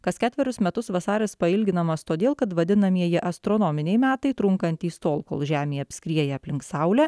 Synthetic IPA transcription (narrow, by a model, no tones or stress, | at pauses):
kɐskʲæːt̪ʲʋʲɛɾʲʊsmʲɛt̪ʊsʋɐsɑːɾʲɛspɐɪlʲɡʲɪnɐmɐst̪oːd̪ʲeːlˠkɐt̪ʋɐd̪ʲɪnɐmʲiɛjɪʔɐst̪ɾoːnɔmʲɪnʲɛɪmʲæːt̪ɐɪt̪ɾʊŋkɐnʲt̪ʲiːst̪oːlˠko̰ːlˠʒʲæːmʲeːɐpʲsʲkʲɾʲiɛjɛɐpʲlʲɪŋksɑʊlʲɛ